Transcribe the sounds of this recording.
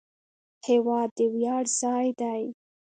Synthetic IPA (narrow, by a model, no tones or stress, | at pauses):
hewɑd̪ːəwjɑɽzɑjd̪aj